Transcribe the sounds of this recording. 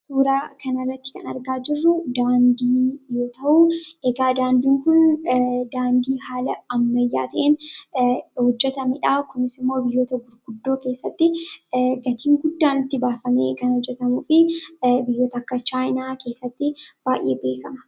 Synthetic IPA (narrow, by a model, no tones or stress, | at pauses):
suːɾaːkɐnɐrːɐt̪ːɪ̥kɐ̰nɐ̰ɾɡaːd͡ʒɪrːʊd̪aːnd̪iːjoːt̪ɐʔʊʔeɡaːd̪aːnd̪iːŋkʊnd̪aːnd̪iːɦaːlɐɐmːɐjːa̰ːt̪ɐʔeːn | hɔd͡ʒːɛt̪ɐmɛᶑaːkʊnɪsɪmːo̞ːbɪjoːt̪ɐɡʊɾɡʊd̪ːo̞ːke̞ːsːɐt̪ːɪɡɐt̪iːŋɡʊd̪ːaːnɪt̪ːɪbaːfɐmḛːkɐnhɔd͡ʒːɛt̪ɐmuːfɪbɪjːoːt̪ɐkːɐt͡ʃaːjnaːke̞ːsːɐt̪ːɪb̥aːjʔḛːbe̞ːkɐmɐ